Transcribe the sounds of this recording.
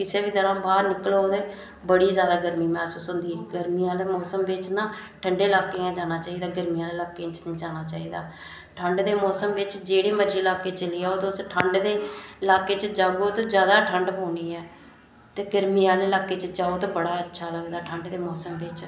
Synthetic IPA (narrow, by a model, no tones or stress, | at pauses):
kɪseːbiːd̪əɽãːbaːɾnɪkəloːd̪eː | bəɽiːzjaːd̪aːɡəɾmiːmɛːsuːsɦʊ̃nd̪iːɡəɾmiːãːleːmɔːsəmʋɪt͡ʃnãːʈʰəɳɖeːɪlaːkeːãːd͡ʒaːnaːt͡ʃaːiːd̪aːɡəɾmiːaːleːlaːkːẽːt͡ʃnĩːd͡ʒaːnaːt͡ʃaːiːd̪a̰ː | ʈʰəɳɖd̪eːmɔːsəmʋɪt͡ʃd͡ʒeːɽeːməɾd͡ʒiːlaːkeːt͡ʃəliːaːoːt̪eʊsʈʰəɳɖd̪eːɪlaːkeːt͡ʃəd͡ʒaːɡoːt̪oːd͡ʒjaːd̪aːʈʰəɳɖɦoːniːɛː | t̪eːɡəɾmiːaːleːlaːkːeːt͡ʃd͡ʒaːoːt̪oːbəɽaːətːʃʰaːləɡd̪aːʈʰəɳɖd̪eːmɔːsəmʋɪt͡ʃ